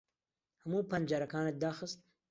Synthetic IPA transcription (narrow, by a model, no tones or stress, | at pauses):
hamuːpɐnd͡ʒaɾɐkɑːned̪ɑːxəst̪̚